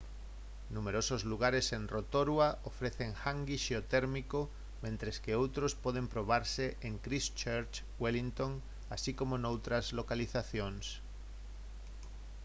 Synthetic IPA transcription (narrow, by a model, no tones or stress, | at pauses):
numeɾosozluɣ̞aɾesenrot̪oɾwaʔofɾeθeŋxaŋɡiʃeot̪eɾmiko | mẽnt̪ɾeskeowt̪ɾospoð̞empɾoβ̞aɾseʔeŋkɾist͡ʃeɾt͡ʃ | welint̪oŋ | asikomonowt̪ɾazlokaliθaθjoŋs